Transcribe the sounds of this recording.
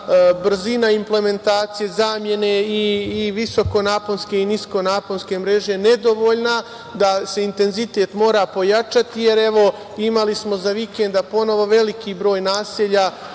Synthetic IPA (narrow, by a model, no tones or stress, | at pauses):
br̩zinaimple̞me̞nt̪aːt̪sije̞zaːmje̞ne̞iːʋiso̞ko̞naːponske̞inisko̞naːponʲske̞mɾe̞ʒene̞d̪o̞ʋo̞ːʎna | d̪ase̞int̪e̞nzit̪e̞ːt̪mo̞ːɾapo̞jat͡ʃat̪ije̞ɾe̞ʋo̞ | imalismo̞zaʋikend̪apo̞no̞ʋo̞ʋe̞likʰibɾo̞ːjnaːseʎa